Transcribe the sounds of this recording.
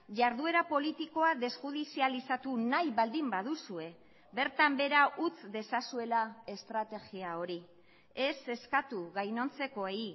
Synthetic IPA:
ʝaɾðue̞ɾapo̞lit̪iko̞aðe̞sʝuðisialisat̪unajβald̪imbaðusue̞ | be̞ɾt̪ambe̞ɾaʔut͡sd̪e̞sasue̞lae̞st̪ɾat̪e̞ɣiao̞ɾi | e̞se̞skat̪uɣajno̞nt͡se̞ko̞ei

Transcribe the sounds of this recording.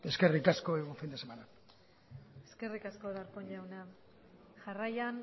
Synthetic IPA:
e̞ske̞rikasko̞eɣoɱfind̪esemana | e̞ske̞rikaskoðaɾkoɲʎawna | ʝarajan

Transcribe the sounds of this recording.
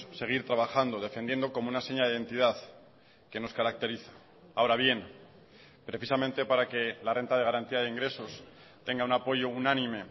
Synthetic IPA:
se̞ɣ̞iɾt̪ɾaβaxand̪oðe̞fend̪je̞nd̪o̞ko̞mounaseɲaðeiðe̞nt̪iðað | ke̞no̞skaɾak̚t̪e̞ɾiθḁ | aoɾaβje̞n | pɾe̞θisamẽ̞nt̪e̞paɾake̞lare̞nt̪að̞e̞ɣ̞aɾant̪iað̞eiŋɡɾe̞so̞s | t̪e̞ŋɡaunapo̞ʝo̞unãnĩme̞

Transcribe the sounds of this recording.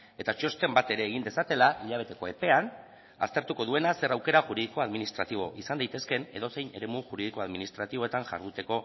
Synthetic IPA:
e̞t̪at͡ʃo̞st̪e̞mbat̪e̞ɾe̞ːɣ̞ind̪e̞sat̪e̞laʔiʎaβ̞e̞t̪e̞ko̞e̞pe̞an | a̰st̪e̞ɾt̪uko̞ð̞ue̞nase̞ɾawke̞ɾaʝuɾiðiko̞aðminist̪ɾat̪iβ̞o̞̰ʔisand̪ajt̪e̞ske̞ne̞̰ðo̞se̞jne̞̰ɾe̞muʝuɾiðiko̞aðminist̪ɾat̪iβo̞et̪aŋʝa̰ɾðut̪e̞ko̞

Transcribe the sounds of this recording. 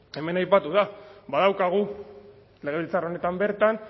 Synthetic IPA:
e̞me̞najpat̪uðaβaðawkaɣ̞u | le̞ɣ̞e̞βilt͡sarone̞t̪ambe̞ɾt̪an

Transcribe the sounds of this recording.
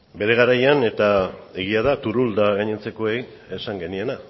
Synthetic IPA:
be̞ɾe̞ɣ̞aɾajane̞t̪ae̞ɣ̞iað̞at̪uɾuld̪aɣaɲent͡se̞ko̞e̞j | esaŋɡe̞nie̞na

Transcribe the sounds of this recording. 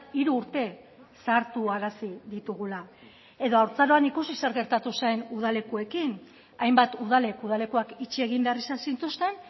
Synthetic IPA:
iɾuːɾt̪e̞ | saɾt̪uaɾasiðit̪uɣ̞ula | e̞ðo̞awɾt͡saɾo̞anikusise̞ɾɣe̞ɾt̪at̪usaenuð̞ale̞kue̞kin | ajmbat̪uð̞ale̞kuð̞ale̞kuakit͡ʃie̞ɣ̞imbe̞arisasint̪ust̪e̞n

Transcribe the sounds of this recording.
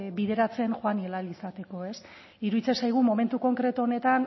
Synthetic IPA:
βiðe̞ɾat͡se̞nxoanielalisat̪e̞ko̞e̞s | iɾuit͡sesajɣ̞umo̞me̞nt̪uko̞ŋkɾe̞t̪uo̞ne̞t̪an

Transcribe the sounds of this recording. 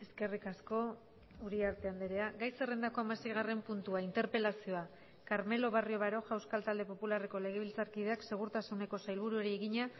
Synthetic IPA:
e̞ske̞rikasko̞ | uɾiaɾt̪e̞and̪eɾe̞aɡajse̞re̞nd̪ako̞amasejɣ̞are̞mpunt̪uaint̪e̞ɾpe̞lasio̞a | kaɾme̞lo̞β̞ario̞βaɾo̞ʝawskalt̪ald̪e̞po̞pulare̞ko̞le̞ɣ̞e̞β̞ilt͡saɾkið̞eakse̞ɣ̞uɾt̪asune̞ko̞sajlβuɾue̞ɾieɣiɲa

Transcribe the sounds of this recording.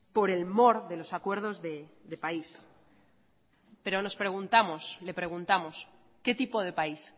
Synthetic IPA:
po̞ɾe̞lmo̞ɾðe̞lo̞sakwe̞ɾð̞o̞zðe̞ðepais | pe̞ɾo̞no̞spɾe̞ɣ̞unt̪amosle̞pɾe̞ɣ̞unt̪amo̞s | ke̞t̪ipo̞ð̞e̞pais

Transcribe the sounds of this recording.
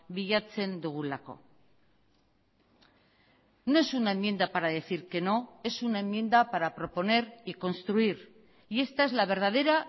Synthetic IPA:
biʎat͡se̞nd̪uɣ̞ulako̞̰ | no̞e̞sunaemːje̞nd̪apaɾað̞e̞θiɾke̞no̞e̞sunae̞mːje̞nd̪apaɾapɾo̞po̞ne̞ɾiko̞nst̪ɾuiɾ | ie̞st̪ae̞zlaβ̞e̞ɾð̞að̞e̞ɾa

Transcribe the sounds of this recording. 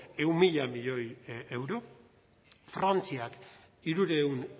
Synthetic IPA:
e̞umiʎamiʎo̞je̞wɾo̞ | fɾant͡siak | iɾuɾe̞un

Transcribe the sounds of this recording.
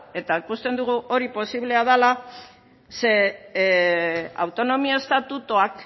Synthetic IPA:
e̞t̪aikust̪e̞nd̪uɣ̞uʔo̞ɾipo̞siβle̞að̞ala | se̞ | a̰wt̪o̞no̞miaest̪at̪ut̪oak

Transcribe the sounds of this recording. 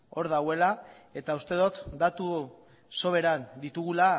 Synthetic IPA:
o̞ɾðawe̞la | e̞t̪aust̪e̞ð̞ot̪d̪at̪u | so̞βe̞ɾand̪it̪uɣula

